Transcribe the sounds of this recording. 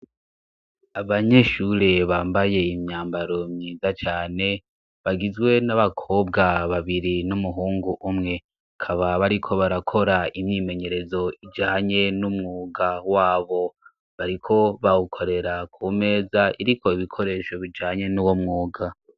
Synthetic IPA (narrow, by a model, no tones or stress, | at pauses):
aβaɲe̞ʃuɾe̞βaːmbaje̞imɲaːmbaɾo̞mɲiːzat͡ʃaːne̞ | βaɡizɡwe̞naβakʰo̞b̚ɡaβaβiɾinumuɦuːŋɡuʔːmŋe̞ | kʰaβaβaɾikʰo̞βaɾakʰo̞ɾaimɲime̞ɲe̞ɾe̞zo̞id͡ʒaːɲe̞numŋuːɡawaːβo̞ | βaɾikʰo̞βawukʰo̞ɾe̞ɾakʰume̞ːzaiɾikʰo̞iβikʰo̞ɾe̞ːʃo̞βid͡ʒaːɲe̞nuwomŋuːɡa